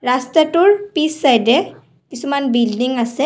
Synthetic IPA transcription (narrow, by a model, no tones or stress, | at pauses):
ɾaːst̪ɐʈuɾpiːsːɐjde | t̪isumanbiːlɖiŋɡɐse